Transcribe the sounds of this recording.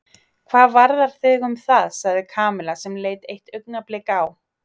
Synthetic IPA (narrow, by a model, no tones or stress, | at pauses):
kʰvaːðvaɾðaɾ̥θɪːɣʏmθaðsaɣðɪkʰaːmɪlasɛmleːjt̪ejht̪œɥknaplɪkaw